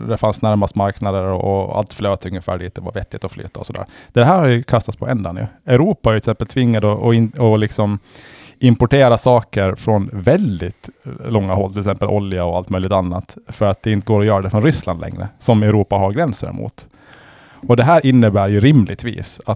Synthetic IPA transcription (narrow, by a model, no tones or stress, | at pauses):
d̪ɛfansnæɾmast̪maɾknad̪əɾɔ̰ɔa̰lt̪fløːt̪ɵŋːəfæ̰ːɖiːt̪d̪ɛva̰ɾvɛt̪ːɪt̪ɔfly̰ːt̪ʰːaɔsɔd̪æ̰ːɾd̪̥ɛɦæːɾhajɵkʰast̪at̪spʰɔɛnd̪anɵ̰ɛʉɾuːpaæɾʏɪsɛmpːəlt̪ʰvɪŋːad̪ɔʔɔɪɔlɪksɔm | ɪmpɔʈeːɾasɑːkəɾfɾɔnvɛld̪ɪt̪lɔŋːaɦɔlt̪ʰɪlɪksɛmpəlʔɔ̰ljaɔalt̪mœʏjlɪɡ̚t̪anːa̰t̪fœɾat̪̚d̪ɛɪnt̪əɡoːɾɔjœːɾad̪ɛfɾɔnɾʏsla̰nd̪lɛ̰ŋɾə̰sɔmɛʊɾuːpaɦaɾɡɾɛnsə̰ɾmṵːt̪ | ɔd̪ɛɦæːɾʔɪnːəbæːɾjɵɾɪmlʔɪ̰ɡ̚t̪vḭːsa